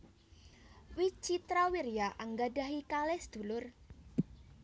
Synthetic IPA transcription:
wit͡ʃit̪ɾawiɾijaʔaŋɡada̤ɦikalɛsd̪̥ṳlʊr

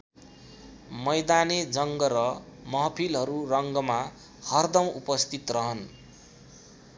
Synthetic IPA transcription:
mʌjd̪aned͡zʌŋɡʌɾʌmʌɦʌpʰilɦʌɾurʌŋɡʌma | hʌrd̪ʌw̃ʔupʌst̪it̪rʌɦʌn

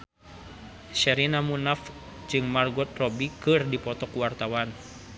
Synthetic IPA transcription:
ʃɛɾinamunaf | d͡ʒɨŋmarɡɔt̪̚rɔbikɨrdipɔt̪ɔkuwart̪awan

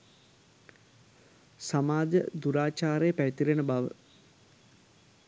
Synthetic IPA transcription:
samaːd͡ʒəd̪uɾaːt͡ʃaːɾejəpæʋit̪iɾenəbaʋə̰

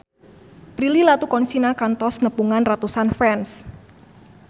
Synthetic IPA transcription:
pɾililat̪ukɔnsinakant̪ɔsnəpuŋanrat̪usanfɛns

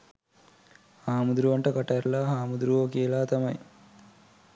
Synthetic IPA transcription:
haːmud̪ɾuʋɐɳʈɐkɐʈːɐɾlaɦaːmud̪ɾuʋoːkiːlaːt̪ɐmɐj

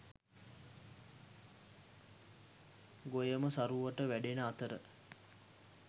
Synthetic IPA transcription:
ɡojəməsaɾuːʋəʈəʋæɖenəat̪əɾə̰

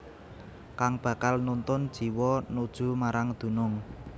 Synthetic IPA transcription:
kaŋb̥ä̤kalnunt̪ʊnd̥ʒ̥i̤wɔnud̥ʒ̥ṳmaɾaŋd̪̥ṳnʊŋ

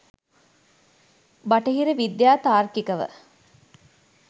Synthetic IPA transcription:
baʈəɦiɾəʋid̪jaːt̪aːrkikəʋə̰

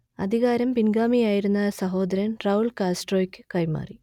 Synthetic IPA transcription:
ɐ̰d̪ʱiɣaːɾɐmpinɡaːmijaːjiɾunːɐsɐɦo̞ːd̪ɐɾɐnrɐuɭkaːsʈroːikːɨ̥kːɐjma̰ːri

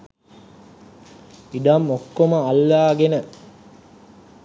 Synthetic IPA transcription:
iɖamokːoməalːaːɡenə

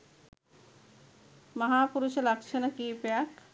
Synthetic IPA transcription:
maɦapuɾuʃelakʃʰenakipeak

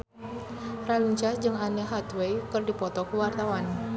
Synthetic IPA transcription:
raliɲt͡ʃasd͡ʒɨŋanəɦat̪wejkɨrdipɔt̪ɔkəwart̪awan

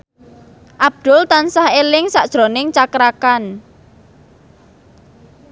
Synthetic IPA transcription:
ʔab̚d̪̥ʊlt̪ansahelɪŋsaʔd̥ʒ̥ɾo̤nɪŋt͡ʃakɾakan

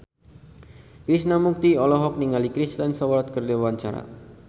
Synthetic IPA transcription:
kɾisnamuk̚t̪iɔlɔɦɔk̚niŋalikɾist̪ənsawaɾat̪̚kərd͡ʒawaɲt͡ʃaɾa̰

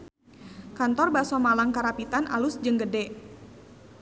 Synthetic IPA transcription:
kant̪ɔrbasamalaŋkaɾapit̪anʔa̰lusd͡ʒəŋɡədɛ

